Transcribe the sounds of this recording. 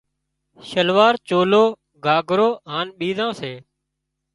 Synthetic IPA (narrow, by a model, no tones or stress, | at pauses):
ʃəlʋaːɾt͡ʃoːloː | ɡʱaːɡʱɾoːɦaːnɓiːzãːseː